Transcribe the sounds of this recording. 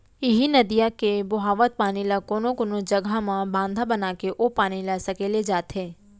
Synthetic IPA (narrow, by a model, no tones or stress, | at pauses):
ɪɦinɐd̪ijakebʊɦaːʋət̪̚paːnilakoːnõkoːnod͡ʒɐɡʱamãbãːnd̪ʱabənaːkeʔopaːnilasɐkeːled͡ʒaːt̪ɦɛː